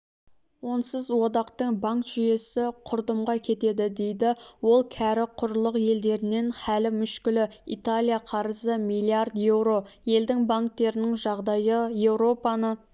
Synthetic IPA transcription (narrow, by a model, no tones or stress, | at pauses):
wo̞nsəzwo̞d̪ɑqt̪əɴbaŋkt̪ʒ̥ʏje̞sɪqʰʊɾd̪əmʁɑkʲʰe̞t̪e̞d̪ɪd̪e̞jd̪ɪwo̞lˠkʲʰæɾɪqʰʊɾlˠəqje̞ld̪e̞ɾɪne̞nhælɪmʏʃkʲɪlɪḭt̪alʲijaqʰɑɾəzəmijlʲˠiard̪je̞wɾo̞je̞ld̪ɪŋbaŋk̚t̪ːe̞ɾɪnɪŋʒɑʁd̪ɑjəje̞wɾo̞pɑnə